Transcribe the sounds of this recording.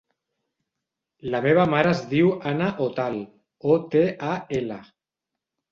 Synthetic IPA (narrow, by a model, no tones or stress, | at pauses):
lameβ̞amaɾazðiwanaʔot̪al | ot̪eʔaela